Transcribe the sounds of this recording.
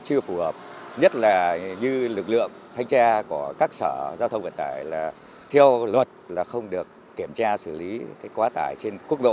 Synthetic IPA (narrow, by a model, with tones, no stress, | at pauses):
t͡ɕɨ˧əfu˧˩həː˨˩p̚ɲə˦˥t̚laː˨˩ɲɨ˧lɨ˨˩k̚lɨ̰˧˨əŋt̪ʰa˧jŋ̟t͡ɕaː˧kɔ˧˩əkaː˦˥k̚sə̰ː˧˩zaː˧wt̪ʰə˧ŋ͡mvḭ˧˨˩n̚t̪aː˧˩jlaː˨˩ | t̪ʰi˧əwlwə˨˩t̚laː˨˩xə˧wŋ͡mɗɨ˨˩əkːi˧˩əmt͡ɕaː˧sɨ˧˩li˨˦kaː˨˦jkwaː˨˦t̪a̰ː˧˩jt͡ɕe˧nku˦˥ək̚ɗo̰˧˨